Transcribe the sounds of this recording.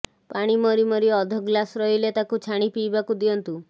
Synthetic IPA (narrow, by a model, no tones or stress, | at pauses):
paɽ̃imɔɾimɔɾiɔd̪ʱɔɡlasɾɔɦilet̪akut͡ʃʰaɽ̃ipiːbakud̪iɔnt̪u